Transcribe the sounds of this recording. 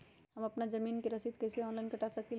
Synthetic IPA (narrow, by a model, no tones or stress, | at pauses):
həmɐpnad͡ʒɐmiːnkeɾɐsid̪̚kɐɪseɔːnlaɪnkɐʈasəki